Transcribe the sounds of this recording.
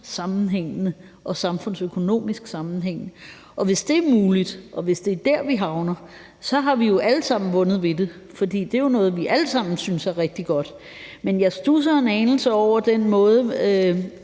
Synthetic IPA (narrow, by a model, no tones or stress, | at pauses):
sɑ̈mn̩ɦeŋ̰nə | ʔɒ̽sɑ̈mfɔ̽n̰søkʰo̝no̝̰ːmisɡ̥sɑ̈mn̩ɦeŋ̰nə | ʔɒ̽ʋe̝sd̥e̝æɐmuːlid̥ʔɒ̽ʋe̝sd̥e̝æɐd̥æɐ̰ʋiɦɑ̈ʊnɐ | sɒ̽ɦɑ̈ʋijo̝ʔæləsɑ̈m̰n̩ʋɔ̽nð̞̩ˠʋe̝d̥e | fɒ̽d̥ḭːd̥e̝jo̝nɔ̽ːð̞̩ˠʋiʔæləsɑ̈m̰n̩synsæɐʁɛɡ̥̚d̥iɡ̥ɒ̽d̥ | menjɑ̈ɪsd̥us̬ɐe̝nɛːnl̩səɒʊ̰ɐd̥enmɔ̽ːð̞ˠə